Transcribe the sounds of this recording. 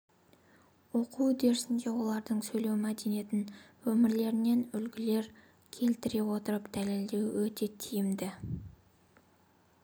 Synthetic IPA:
wo̞quwd̪e̞ɾsɪnd̪e̞wo̞lˠɑɾd̪əɴsɵjle̞wmæd̪e̞nijet̪ɪn | wɵmɪɾle̞ɾɪne̞nʏlɡʲɪle̞ɾ | kʲʰe̞lt̪ɪɾe̞wo̞t̪əɾəpd̪̥æle̞ld̪e̞wwɵt̪e̞t̪ʰijɪmd̪ɪ

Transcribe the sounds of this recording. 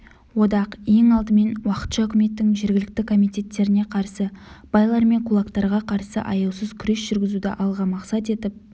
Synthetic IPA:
wo̞d̪ɑqje̞ŋɑlˠd̪əme̞nwɑqə̥t̪ʃɑʏkʲɪme̞t̪ːɪŋʒe̞ɾɡʲɪlɪk̚t̪ɪkʰo̞mijt̪ʲe̞t̪ːe̞ɾɪne̞qʰɑɾsəb̥ɑjlˠɑɾme̞ŋqʰulˠɑkt̪ɑɾʁɑqʰɑɾsə̰ʔɑ̰jɑwsəzkʲʰʏɾe̞sʒ̥ʏɾɡʲɪzud̪ɪ̰ʔɑlˠʁɑmɑqsɑt̪e̞t̪ɪp̚

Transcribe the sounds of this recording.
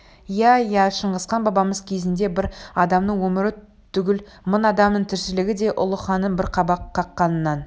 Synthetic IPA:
jæjæʃəɴʁəsqɑnbɑbɑməz̥kʲʰe̞zɪnd̪e̞bɪɾɑd̪ɑmnəɴwɵmɪɾɪ | t̪ʰːʏɡʲɪl | mʊnɑd̪ɑmnəɴt̪ʰɪɾsɪlɪɡʲɪd̪e̞ʔʊ̰lˠəχɑnənbɪɾqʰɑbɑqʰːɑqːɑnnːɑn

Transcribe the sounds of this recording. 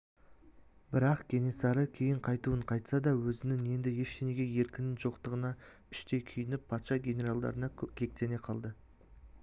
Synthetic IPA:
bɪɾɑqɡʲe̞ne̞sɑɾəkʲʰe̞jɪɴqʰɑjt̪uəɴqʰɑjt̪sɑd̪ɑwɵzɪnɪŋe̞nd̪ɪje̞ʃeneɡʲeje̞ɾkʲɪnɪnʒo̞qt̪əʁənɑ | ʏʃt̪e̞jkʲʰʏjɪnɪpʰːɑt̪ʃɑɡʲe̞ne̞ɾalˠd̪ɑ̰ɾənɑkʲʰe̞k̚t̪e̞ne̞qʰɑlˠd̪ə

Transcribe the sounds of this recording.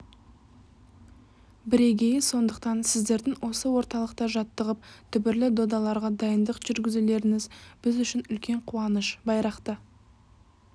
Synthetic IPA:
bɪɾe̞ɡʲe̞jɪso̞nd̪əq̚t̪ɑnsɪzd̪e̞ɾd̪ɪŋwo̞səwo̞ɾt̪ɑlˠəq̚t̪ɑʒɑt̪ːəʁəp̚t̪ʰʏbɪɾlɪd̪o̞d̪ɑlˠɑɾʁɑd̪ɑjənd̪əqʒ̥ʏɾɡʲɪzule̞ɾɪŋɪzb̥ɪzʏʃɪnʏlkʲe̞ɴqʰuɑnəʃbɑjɾɑqt̪ə

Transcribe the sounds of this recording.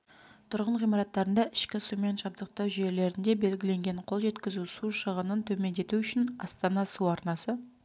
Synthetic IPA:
t̪ʰʊɾʁəɴʁijmɑɾɑt̪ːɑɾənd̪ɑʔɪʃkʲɪsume̞nʒɑb̚d̪əq̚t̪ɑwʒije̞le̞ɾɪnd̪e̞be̞lɡʲɪle̞ŋɡʲe̞ɴqʰo̞lˠʒe̞t̪kʲɪzusuʃəʁənənt̪ʰɵme̞nd̪e̞t̪uʏʃɪnɑst̪ɑnɑsuɑɾnɑsə

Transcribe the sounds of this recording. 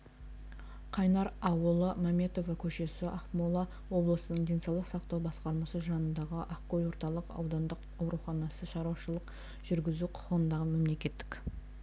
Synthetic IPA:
qʰɑjnɑɾɑwəlˠəmɑme̞t̪o̞vɑkʲʰɵʃe̞sɪʔɑχmolˠɑ | wo̞blˠəsənəɴd̪e̞jnsɑwlˠəqsɑqt̪ɑwbɑsqɑɾmɑsəʒɑnənd̪ɑʁəʔakːolʲwo̞ɾt̪ɑlˠəqɑ̰wd̪ɑnd̪əq | ɑwɾuχɑnɑsəʃɑɾuwɑʃəlˠəq | ʒ̥ʏɾɡʲɪzuqʰʊ̥ʁənd̪ɑʁəme̞mle̞kʲe̞t̪ːɪ̥kʲ

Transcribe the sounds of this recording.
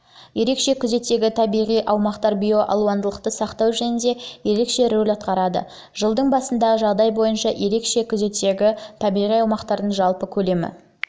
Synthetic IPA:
je̞ɾe̞kʃe̞kʲʰʏze̞t̪ːe̞ɡʲɪt̪ʰɑbijʁijʔɑwmɑqt̪ɑɾbʲijo̞ʔɑ̰lˠuɑnd̪əlˠəqt̪əsɑqt̪ɑwʒænɪnd̪e̞je̞ɾe̞kʃe̞ɾɵlɑt̪̚qɑɾɑd̪ə̰ | ʒəlˠd̪əɴbɑsənd̪ɑʁəʒɑʁd̪ɑjbo̞jənʃɑje̞ɾe̞kʃe̞kʲʰʏze̞t̪eɡʲɪt̪ʰɑbijʁijɑwmɑqt̪ɑɾd̪əɴʒɑlˠpəkʲʰɵle̞mɪ̰

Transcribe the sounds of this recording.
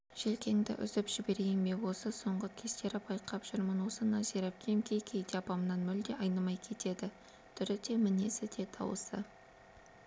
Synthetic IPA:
ʒ̥elkʲe̞ŋd̪ɪ̰ʔʏ̰zɪpʒ̥ɪbe̞ɾejɪmbe̞wo̞səso̞ɴʁəkʲʰe̞st̪e̞ɾɪbʰɑjqɑpʒ̥ʏɾmənwo̞sənɑzeɾep̚kʲemkʲʰejkʲʰe̞jd̪eɑpɑmənɑnmʏld̪e̞ɑjnɑmɑjkʲʰe̞t̪e̞d̪ɪ | t̪ʰʏɾɪd̪e̞mɪnesɪd̪e̞t̪ʰɑ̰wə̰sə̰

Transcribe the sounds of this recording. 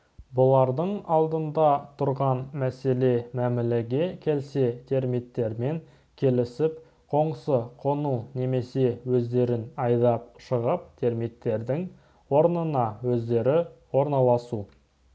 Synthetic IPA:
bʊlˠɑɾd̪əɴɑlˠd̪ənd̪ɑt̪ʰʊɾʁɑnmæse̞le̞mæmɪleɡʲe̞kʲʰe̞lse̞t̪ʰe̞ɾmit̪ːe̞ɾme̞ŋ | kʲʰe̞lɪsɪp | qʰo̞ɴsəqʰo̞nune̞me̞se̞wɵzd̪e̞ɾɪnɑjd̪ɑpʃəʁəp̚t̪ʰe̞ɾmit̪ːe̞ɾd̪ɪŋ | wo̞ɾnənɑwɵzd̪e̞ɾɪwo̞ɾnɑlˠɑsu

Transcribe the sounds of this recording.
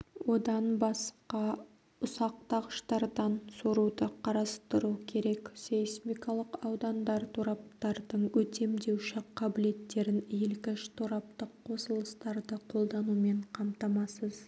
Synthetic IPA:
wo̞d̪ɑnbɑsqɑ | ʊsɑq̚t̪ɑʁəʃt̪ɑɾd̪ɑnsoɾud̪əqʰɑɾɑst̪əɾukʲʰe̞ɾe̞ksejsmʲikɑlˠəqɑwd̪ɑnd̪ɑɾt̪ʰoɾɑp̚t̪ɑɾd̪əɴwɵt̪e̞md̪e̞wʃɪqʰɑbɪle̞t̪ːe̞ɾɪnelkʲɪnʃɪ̥t̪ʰoɾɑp̚t̪əqʰːo̞səlˠəst̪ɑɾd̪əqʰo̞lˠd̪ɑnume̞ɴqʰɑmt̪ɑmɑsəz

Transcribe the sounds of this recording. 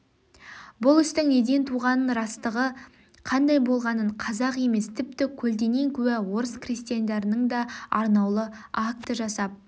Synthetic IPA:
bʊlˠʏst̪ɪŋne̞d̪e̞nt̪ʰuʁɑnənɾɑst̪əʁə | qʰɑnd̪ɑjbo̞lˠʁɑnəɴqʰɑzɑqe̞me̞st̪ʰɪp̚t̪ɪkʲʰɵld̪e̞ŋe̞ŋkʲʰɵwæwo̞ɾəskrist̪ijand̪eɾənəɴd̪ɑɑɾnɑwlˠə | ak̚t̪əʒɑsɑp̚

